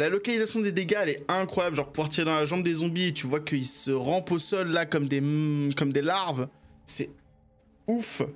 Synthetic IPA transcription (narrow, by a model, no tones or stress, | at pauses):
lalɔkalizasjɔ̃d̪ed̪eɡaɛlɛɛ̃kχwajablʒɑ̃ʁpuvwaʁt̪iʁed̪ɑ̃laʒɑ̃bd̪ezɔ̃biet̪yvwakəilsəʁɑ̃posɔlːakɔmd̪ekɔmd̪elaʁvsɛ | uf